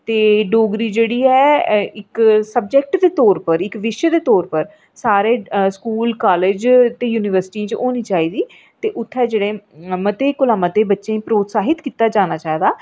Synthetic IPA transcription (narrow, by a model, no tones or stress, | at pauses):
t̪eːɖoːɡɾiːd͡ʒeːɽiːɛːɪksəb̚d͡ʒɛk̚ʈd̪eːt̪ɔːɾpəɾɪkʋɪʃjəd̪eːt̪ɔːɾpəɾ | saːɾeːskuːlkaːleːd͡ʒt̪eːjuːnɪʋəɾsɪ̥ʈĩt͡ʃoːniːt͡ʃaːiːd̪iː | t̪eːʔʊt̪ʰːɛːd͡ʒeːɽeːmət̪eːkʊlaːmat̪eːbətːʃẽːĩːpɾoːt̪saːɦɪt̪kiːt̪aːd͡ʒaːnaːt͡ʃaːeːd̪aː